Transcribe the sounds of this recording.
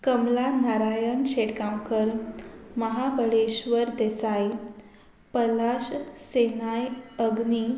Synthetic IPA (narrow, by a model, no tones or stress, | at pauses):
kəmlanaɾajəɳɕeʈkãwkəɾməɦabʱəɽeɕʋəɾd̪esaj | pəlaɕsenajəɡni